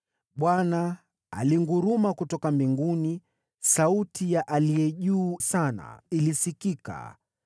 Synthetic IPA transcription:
ɓwana | a̰liŋɡuɾumakutɔkambiŋɡuni | sautʰijaʔalijɛʄuːsana̰ilisikika̰

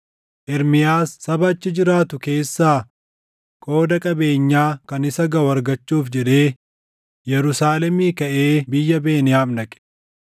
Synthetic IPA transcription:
ʔɛɾmɪjaːsːɐbɐt͡ʃːɪd͡ʒɪɾaːt̪ʊke̞ːsːaː | kʼo̞ːd̪ɐkʼɐbe̞ːɲːaːkɐnɪsɐɡɐwɐɾɡɐt͡ʃːuːfd͡ʒɛᶑe̞ː | jɛɾʊsaːlɛmiːkɐʔe̞ːbɪjːɐbe̞ːnɪjaːmnɐkʼɛ̥

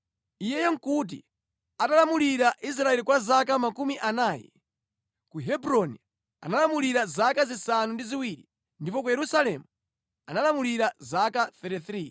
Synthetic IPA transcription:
ijɛjɛŋ̩kut̬ḭ | atalamuliɾaʔis̬ɾaɛlikwazakamakumiʔanaːjɛ̰ | kuɦɛbɾɔni | a̰nalamuliɾazakazisanundiziwiɾḭ | ndipɔk̬ujɛɾusalɛmu | a̰nalamuliɾazakaθɛtiθɾiː

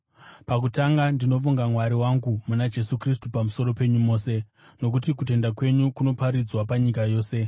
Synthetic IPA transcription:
pak̬utaŋɡandino̞fuŋɡamwaɾiwaŋɡumunad͡ʒe̞sukris̬tupamuso̞ɾo̞pe̞ɲumo̞ːse̞ | no̞k̬utik̬ute̞ndakwe̞ɲukuno̞paɾid͡zwapaɲikajo̞ːse̞

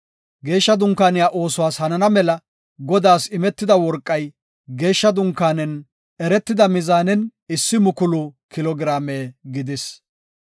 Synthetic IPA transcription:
ɡe̞ːʃːɐd̪ʊŋkːaːnɪjaːʔo̞ːsʊwaːshɐnɐnɐmɛlɐ | ɡɔd̪aːsɪmɛt̪ːɪd̪ɐwɔɾkʼːɐj | ɡe̞ːʃːɐd̪ʊŋkːaːnɛn | ɛɾɛt̪ːɪd̪ɐmɪzaːnɛnɪsːɪmʊkʊlʊkɪlɔɡɪɾaːmeːɡɪd̪ɪs

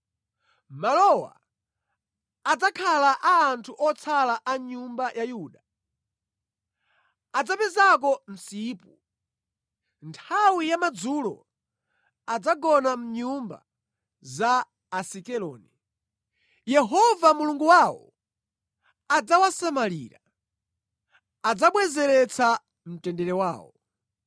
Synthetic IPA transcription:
malɔwa̰ | ad͡zakʰalaʔaːntʰuʔɔt͡sʰalaʔaɲumbajʔajuːɗa | ad͡zapɛzak̬ɔm̩siːpu | ntʰawijamad͡zuːlɔ̰ | ad͡zaɡɔnam̩ɲumba̰ | zaː | sikɛlɔ̰ːni | jɛɦɔvamuluŋɡuwawɔ̰ | ad͡zawasamaliːɾa | ad͡zaɓwɛzɛɾɛt͡sʰa | m̩tɛndɛɾɛwa̰ːwɔ̰

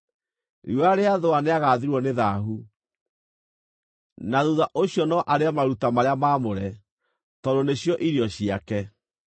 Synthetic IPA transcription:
ɾiaɾeaðoaneaɣaːðiɾwɔneðaɦu | naðuðaʔoɕijɔnɔʔaɾeamaɾutamaɾeamamoɾɛ | tɔdoneɕjɔʔiɾiɔɕijakɛ

